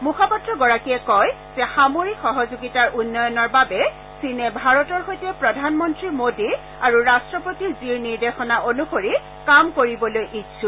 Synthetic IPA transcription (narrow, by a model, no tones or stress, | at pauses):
mukʰɔpɔtɹɔɡɔɹakiɛkɔj | z̥ɛxamoɹikxɔɦɔzuɡitaɹʔunːɔjɔnɔɹbabɛ | sinɛbʱaɹɔtɔɹxojtɛpɹɔdʱanmɔntɹiɹmodiɹ | aɹuɹastɹɔpotiziɹniɹdexɔnaʔonuxoɹi | kamkoɹibɔlojʔitsʰu